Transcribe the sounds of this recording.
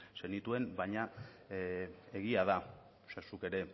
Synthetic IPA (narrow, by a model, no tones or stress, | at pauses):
se̞nit̪ue̞nbajɲa | e̞ɣ̞iað̞a | sasuke̞ɾe̞